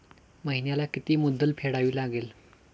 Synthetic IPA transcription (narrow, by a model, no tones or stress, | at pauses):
məɦinjalakit̪iːmud̪ʱːəlpʰeɽaʋiːlaɡel